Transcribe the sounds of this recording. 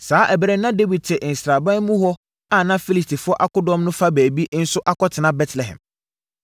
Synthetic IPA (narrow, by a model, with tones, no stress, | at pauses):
saː˨˦ʔɛ˨bɾɛ˦nã˦de˦wi˨d̚tʰɛ˨ʔn̩˨sɾa˨bã˦nmũ˦ɦɔ˦ | a˦˨nã˦fi˦li˨stʰi˨fʊ˦ɔ˦ʔa˦kʊ˦dɔ̃˦mnʊ̃˦fa˦bæː˨bi˦ʔn̩˦sʊ˦ʔa˦kɔ˦tʰɪ˨nã˦bɛ˦tʰlɛ˨ɦɛ̰̃˨m